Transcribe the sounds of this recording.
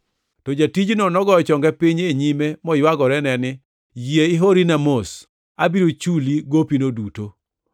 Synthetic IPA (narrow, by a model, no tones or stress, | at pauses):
tɔd͡ʒatid͡ʒnonɔɡɔɔt͡ʃɔŋɡɛpɪɲeɲimemɔjwaɡɔɾɛnɛnɪ | jieɪɦoɾinamos | abiɾot͡ʃuliɡopinoduto